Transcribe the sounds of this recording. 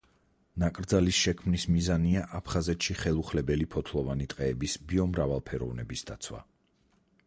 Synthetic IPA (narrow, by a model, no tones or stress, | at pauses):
nakʼɾd̪zalisʃɛkʰmnismizaniaʔapʰχazɛt̪ʃiχɛlˠuχlɛbɛlipʰɔt̪ʰlˠɔvanit̪ʼqʼɛːbisbiɔmɾavalˠpʰɛɾɔvnɛbisd̪a̰t̪sʰwa̰